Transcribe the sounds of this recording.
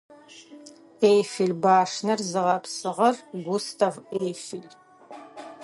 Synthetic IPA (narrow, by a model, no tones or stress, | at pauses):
ejfɪɮbaːʂnɐrzɨʁɐpsɨʁɐrɡʷustʰɐvejfɪl